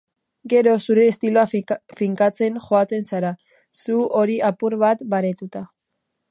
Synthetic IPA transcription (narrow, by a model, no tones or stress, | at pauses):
ɡe̞ɾo̞suɾe̞ːst̪ilo̞afiŋkat͡se̞ŋʝoat͡se̞nsaɾa | suo̞ɾiʔapuɾβat̪baɾe̞t̪ut̪a